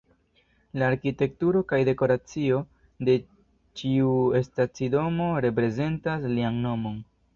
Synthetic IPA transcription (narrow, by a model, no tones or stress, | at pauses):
laːɾkite̞k̚tuɾo̞kajde̞ko̞ɾat͡sio̞ | de̞ | t͡ʃiue̞stat͡sido̞mo̞ɾe̞pɾe̞ze̞ntaslianno̞mo̞n